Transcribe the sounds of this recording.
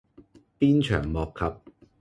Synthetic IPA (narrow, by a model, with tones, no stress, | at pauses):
piː˥nt͡ʃʰœ̰ː˨˩ŋmɔː˨kʰːɐ˨p̚